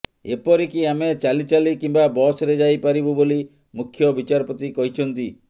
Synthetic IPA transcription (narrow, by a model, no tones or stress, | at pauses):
epɔɾikiamet͡ʃalit͡ʃalikimbabɔsɾed͡ʒajpaɾibuboli | mukʰːjɔbit͡ʃaɾɔpɔt̪ikɔɦit͡ʃʰɔnt̪i